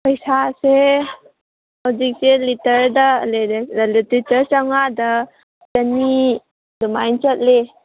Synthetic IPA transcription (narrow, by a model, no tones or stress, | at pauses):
pɐjsase | hawzik̚selitɐɾdɐlelititɐɾt͡ʃawŋadɐ | d͡ʒɐni | dumajnt͡ʃɐt̚le